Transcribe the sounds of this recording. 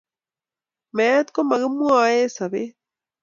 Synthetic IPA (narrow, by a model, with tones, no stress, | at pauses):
me˦t̪ko˦ma˨ɣɨ˦mu˦a˨e˦sa˨βe˦